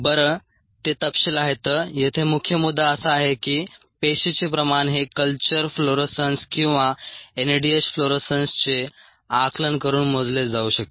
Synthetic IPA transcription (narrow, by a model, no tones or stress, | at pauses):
bəɾə | t̪et̪əpɕelaɦet̪əːjet̪ʰemukʰjəmud̪ʱːaəsaːɦekiː | peɕit͡ɕepɾəmaɳɦekəlt͡ɕəɾfloɾesənskĩw̃ʋaenəɖiesfloɾesənst͡se | aklənkəɾuːnmod͡zled͡zauːɕək̚t̪